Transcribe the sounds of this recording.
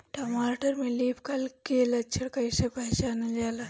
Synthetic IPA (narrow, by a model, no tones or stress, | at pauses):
ʈomaːʈəɾmẽliːpʰkɐlkeːlɐt͡ʃʰəɽkɐɪsapɐɦt͡ʃaːnɐd͡ʒaːla